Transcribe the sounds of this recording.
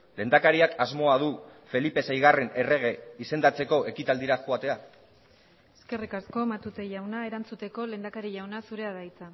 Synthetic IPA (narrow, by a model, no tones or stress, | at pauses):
le̞nd̪akaɾiakazmo̞að̞ufe̞lipe̞sajɣare̞ne̞re̞ɣ̞e̞ise̞nd̪at͡se̞ko̞e̞kit̪ald̪iɾaʝoat̪e̞a | e̥ske̞rikasko̞mat̪ut̪e̞ʝawnaeɾant͡sut̪e̞ko̞le̞nd̪akaɾiʝawnasuɾe̞aðajt͡sa